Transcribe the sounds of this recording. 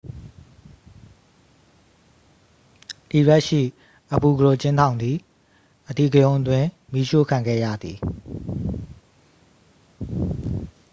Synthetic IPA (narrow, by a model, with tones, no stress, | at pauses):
ti˨bɛ˦ʔʃḭ˦˨ | ʔəpu˨ɡəɹo˨t͡ɕɪ̃˦ntʰã˨ʊ̃nd̪ði˨ | ʔət̪ḭ˦˨ɡəjõ˦ʊ̃ʔətwɪ̃˦˨ | mi˦ʃo̰˦˨kʰã˨ŋɡɛ̰˦˨jä̰˦˨d̪i˨